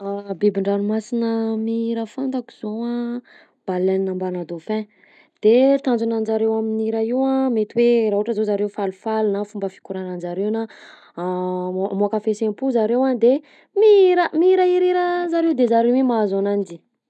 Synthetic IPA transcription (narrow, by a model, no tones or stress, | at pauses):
abibiɳɖ͡ʐaɾumasinəmiiɾəfant̪aku̥zoa | b̥alannambanad̪ofɛ̃ | d̪̥et̪and͡zunand͡ʒaɾewaminiɾaiwãmet̪iweɾaɦuʈ͡ʂəzozaɾewfalufalinafumbəfi̥kuɾanand͡zaɾewna | moakafesempuzaɾewad̪e | miiɾəmiiɾaiɾiɾəzaɾewd̪ezaɾewemaazanand͡ʒi